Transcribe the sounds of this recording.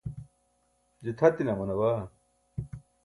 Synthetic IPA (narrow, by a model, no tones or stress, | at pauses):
d͡ʑit̪ʰɐt̪inɐmɐnɐwa